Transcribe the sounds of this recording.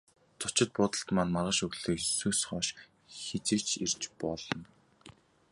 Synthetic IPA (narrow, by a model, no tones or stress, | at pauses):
t͡sʊt͡ɕɪ̆t̪̚pʊːt̪ə̆ɬt̪maːnmarʁə̆ʃɵɣɮeːksuːsχɔːʃ | xet͡sĕːkt͡ɕʰir̥t͡ɕpɔɮɞ̆n